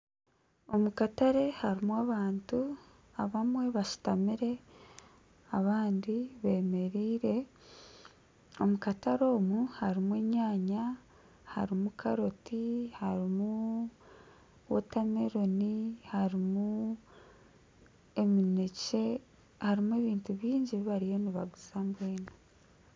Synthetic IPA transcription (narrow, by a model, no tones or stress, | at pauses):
o̞mukataɾe̞haɾimwaβaːntu | a̰βamwe̞βaʃi̥tamiɾe̞ | aβaːndiβe̞ːme̞ɾiːɾe̞ | o̞mukataɾo̞ːmuhaɾimweɲaːɲa | ha̰ɾimukʰaɾotihaɾimu | wo̰tameɾo̞nihaɾimu | e̞minece̞ | haɾimueβiːntuβjiːɲɟiβiβaɾijo̞niβaɡuzambweːna